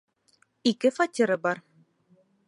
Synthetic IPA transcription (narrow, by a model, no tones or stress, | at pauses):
ikɘfatʲiɾɤbɑɾ